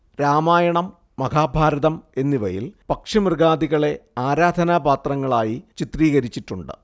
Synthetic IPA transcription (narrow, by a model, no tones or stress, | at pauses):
ɾaːmaːjɐɳɐmː | ɐɡaːbʱaːɾɐðɐme̞nːiʋɐ̰jḭlpɐkʂɐmrɡaːd̪iɣɐɭe̞aːɾaːd̪ʱɐnabaːt̪rɐŋːɐɭaːjit͡ɕit̪riːɣɐɾit͡ɕːiʈːuɳɖɨ̰